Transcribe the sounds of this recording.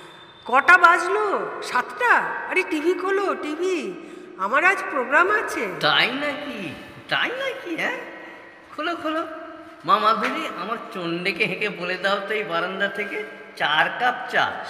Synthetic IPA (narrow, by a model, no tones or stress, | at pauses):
kɔʈabad͡ʑloʃat̪ʈaaɾeʈibʱikʰoloʈibʱi | amaɾad͡ʑpɾoɡɾamat͡ɕʰet̪ajnaki | t̪a̰jnakiɦɛ | kʰolokʰolo | mamaɡʱoliʔamaɾt͡ɕonɖekeɦekeboled̪aot̪ejbaɾond̪at̪ʰeke | t͡ɕaɾkap̚t͡ɕa̰